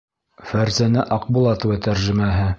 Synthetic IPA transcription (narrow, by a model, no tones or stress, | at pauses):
fæɾzænæʔɑqbulˠɑt̪ɤ̆wɘt̪æɾʒɘ̆mæɦɘ